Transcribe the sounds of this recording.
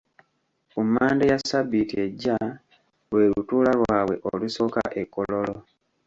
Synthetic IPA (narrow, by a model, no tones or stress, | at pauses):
kumaːndejasabitie̞ɟːa | βwe̞ːlutuːlalwaːwe̞̰ʔoluso̞ka̰ʔekːolo̞lo